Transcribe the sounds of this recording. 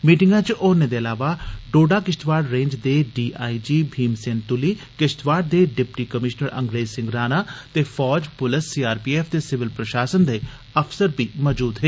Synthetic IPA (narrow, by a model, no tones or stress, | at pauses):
miːʈɪŋɡãt͡ʃʔoːɾnẽd̪eːɐlaːʋaɖoːɖaːkɪʃt̪ʋaːɖɾẽːɲd͡ʒd̪eːɖiːʔaːid͡ʒiːbʱiːmseːnt̪ʊliːkɪʃt̪ʋaːɖ̚d̪eːɖɪpʈiːkəmɪʃnəɾɐ̰̃ŋɡɾeːzsɪ̃ŋɡɾaːnaːt̪eːfʰɔːd͡ʒpʊləsːiːaːɾpiːeːfʰd̪eːsɪʋɪlpɾəʃaːsənd̪eː | əpsəɾbiːmɔːd͡ʒuːd̪ɦeː